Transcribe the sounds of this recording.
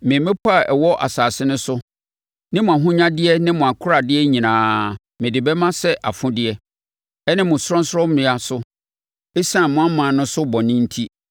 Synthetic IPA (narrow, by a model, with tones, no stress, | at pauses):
mɪ̃˨mɪ̃˦pʰɔ˦a˨ʔɛ˨wɔ˦ʔa̰˨saː˨sɪ˦nʊ̃˦sʊ˦ | nɪ̃˦mʊ̃˨a˨ɦʊ̃˦ɲã˦dɪ˦ɛ˦nɪ̃˦mʊ̃˨a˨kʰʊ˦ɾa˨dɪ˦ɛ˦ɲĩ˨nãː˨ | mɪ̃˨dɪ˨bɛ˦mã˦sɛ˦ʔa̰˨fʊ̃˦dɪ˦ɛ˦ | ɛ˦nɪ̃˦mʊ̃˨sʊ˦ɾɔ̃˦n˦sɔ˦mɪ̃˨a˨sʊ˦ | ɛ˦sã˦˨mʊ̃˦a˦mã˨nʊ̃˦sʊ˦bɔ̃˨nɪ̃˦n̩˦tʰi˦